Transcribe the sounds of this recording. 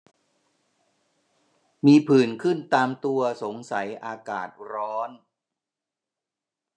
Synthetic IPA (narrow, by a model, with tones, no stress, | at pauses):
miː˧pʰɯː˨˩nkʰɯ˥˩nt̪aː˧mt̪u˧ɐso˩˦ŋsa˩˦jʔaː˧ka̰ː˨˩t̪̚ɾɔː˦˥n